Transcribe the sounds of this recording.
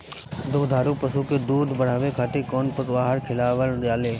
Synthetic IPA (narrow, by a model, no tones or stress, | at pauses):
d̪ʊkd̪ʱaːɾuːpəsukeːd̪uːd̪bəɽ̤aːʋekʰaːt̪eːkoːnpəsʋaːɦəɾkʰɪlaːʋəldjaːleː